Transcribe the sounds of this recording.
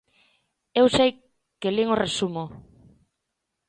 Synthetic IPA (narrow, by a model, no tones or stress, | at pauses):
ewsej | keliŋoresumo